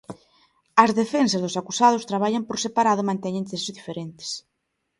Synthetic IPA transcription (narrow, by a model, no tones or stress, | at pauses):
ɐzðefensazðʊsakusað̞ʊst̪ɾaβ̞aʎampoɾsepaɾaðʊmãnt̪ɛɲẽŋt̪esozðifeɾent̪e̥s